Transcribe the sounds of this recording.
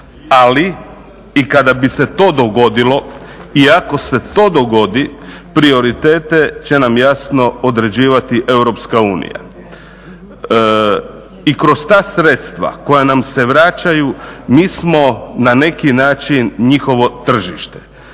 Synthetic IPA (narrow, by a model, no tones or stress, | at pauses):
ali | ikad̪abiset̪o̞ːd̪o̞ɡo̞d̪ilo̞iako̞se̞t̪o̞ːd̪o̞ɡo̞d̪i | pɾio̞ɾit̪e̞ːt̪e̞t͡ɕe̞namjasno̞od̪ɾe̞d͡ʑiːʋat̪iʔe̞wɾo̞pskauːnḭja̰ | ikɾo̞st̪aːsɾe̞t̪st̪ʋa̰ko̞janamse̞ʋɾat͡ɕajumiːsmo̞nane̞kinaːt͡ʃinɲixo̞ʋo̞t̪r̩ʒiʃt̪e̥